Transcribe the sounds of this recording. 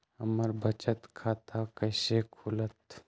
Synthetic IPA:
əməɾbət͡ʃət̪kʰaːt̪ʰakəɪsekʰuːlət̪

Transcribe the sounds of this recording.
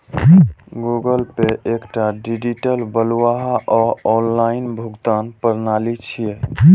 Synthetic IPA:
ɡuɡəlpeʔekʈaɖid͡ʒiʈəlbəlwaɦaʔɔɔnlainbʱuɡt̪anpəɾnalit͡ʃʰije

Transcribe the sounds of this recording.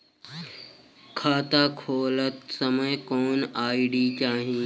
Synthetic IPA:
kʰaːt̪akʰoːlət̪səməjkoːnaːiɽiːt͡ʃaːɦĩ

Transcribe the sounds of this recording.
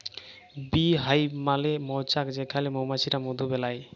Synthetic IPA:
biɦajbmalemɔt͡ʃakd͡ʒekʰalemomasʰiɾamod̪ʱubɛlaj

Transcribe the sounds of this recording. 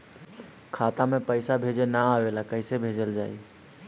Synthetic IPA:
kʰat̪amẽpəɪsabʱed͡ʒenaawelakəɦɪsebʱed͡ʒəld͡ʒaːi

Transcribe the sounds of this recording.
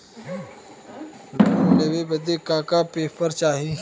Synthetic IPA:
luleʋebəd̪ekaːkapeːpəɾt͡ʃaːɦi

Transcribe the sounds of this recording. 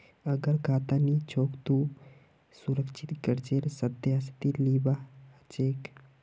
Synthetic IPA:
əɡəɾkʰat̪anit͡ʃʰokt̪u | suɾəkʃʰit̪kəɾt͡ʃeɾsəd̪jast̪ilibat͡ʃeːk

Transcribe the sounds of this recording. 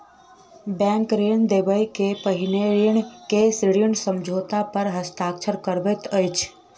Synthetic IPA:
bɛ̃ŋkɾend̪ebəjkepəɦineɾiɳkesɾiəɳsəmd͡ʒʱot̪apəɾɦəst̪aːkt͡ʃʰəɾkəɾbet̪əjt͡ʃʰ

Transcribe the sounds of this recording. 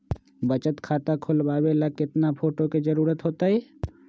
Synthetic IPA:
bət͡ʃət̪kʰaːt̪akʰʊlbaːbelakɪt̪napʰoːʈoked͡ʒɐɾuːɾət̪ɦoːt̪aɦɛː

